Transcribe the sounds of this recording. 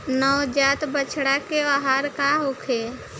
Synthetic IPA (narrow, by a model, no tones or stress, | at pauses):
nɔwd͡ʒaːt̪bət͡ʃʰɽakebaɦaːɾkaɦokʰe